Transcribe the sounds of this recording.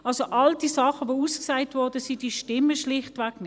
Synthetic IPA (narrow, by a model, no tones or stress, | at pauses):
ɑlsoʔɑldisɑχəvousksaɪtvɔʁdəsidiʃtɪmːəʃlɪχtvɛknɪ